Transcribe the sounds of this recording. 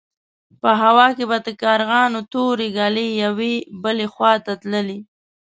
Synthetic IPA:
pəɦawɑkebad̪əkɑɾɣɑnot̪oɾeɡɑlejawebəlexwɑt̪at̪ləli

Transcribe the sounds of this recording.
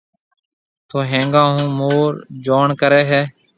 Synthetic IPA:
t̪oːɦẽːŋɡãːɦũːmoːɾd͡ʒoːɳkəɾeːɦɛː

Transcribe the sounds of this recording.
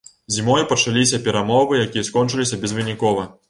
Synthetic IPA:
zʲimɔjpɐt͡ʂalʲisʲɐpʲɛɾamɔvɨjakʲijɐskɔnt͡ʂɨlʲisʲɐbʲɛzvɨnʲikɔvɐ

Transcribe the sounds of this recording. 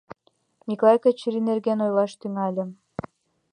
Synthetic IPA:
mʲiklˠɑjkɑt͡ɕəɾinerɡenojlɑʃt̪yŋɑlʲə̆

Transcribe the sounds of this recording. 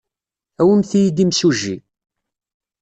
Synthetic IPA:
æwəmθijid̪imsuʒːi

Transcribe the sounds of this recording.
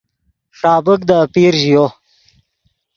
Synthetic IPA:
ʂɑːbəkd̪əːpiːɾʑijo

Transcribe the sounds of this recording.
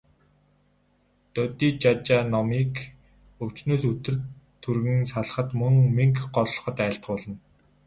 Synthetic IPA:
t̪ɔt̪iːt͡ɕat͡ɕaːnɔmiːk | ɵkt͡ɕnoːsɵt̪ɘ̆rt̪ʰːɵrɣɘ̆ŋsaɮ̆χə̆t̪mɵŋmiŋkɢɔɮɮɞ̆χɞ̆t̪æ̆ːɬt̪ə̥̆χpɔɮɞ̆n

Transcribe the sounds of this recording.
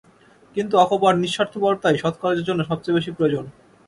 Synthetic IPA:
kint̪uɔkobaɾniʃːaɾt̪ʰobɔɾt̪ajʃɔt̪ʰo̥kɔled͡ʑeɾd͡ʑonːoʃɔb̚t͡ɕejbeʃipɾojod͡ʑon

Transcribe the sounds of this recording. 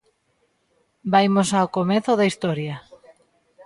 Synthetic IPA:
bajmosaokomeθoðaist̪ɔɾja

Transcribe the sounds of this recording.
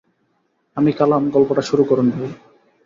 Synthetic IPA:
amikalamɡɔlpoʈaʃuɾukɔɾund̪ebo

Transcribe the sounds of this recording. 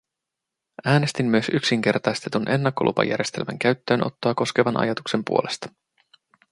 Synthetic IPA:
æːne̞st̪imːyøsyksiŋk̟e̞rt̪ɑjst̪e̞t̪unʔe̞nːɑkːo̞lʔṵpɑ̰jæ̰ɾʲje̞st̪e̞lmæ̰ŋk̟æɥt̪ːø̞ːnʔo̞̰t̪ːoɑːko̞ske̞ʋɑnʔɑ̰jɑt̪ukse̞mpṵo̞lʔe̞st̪ɑ̥

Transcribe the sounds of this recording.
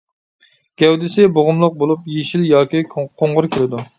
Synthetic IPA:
ɡ̥ʲɛwd̪ɪsɪboʁʊmlˠəq̚bolˠupjeʃiljɑːkʲiqʰoɴʁʊɾkʲʰiɾɪd̪u

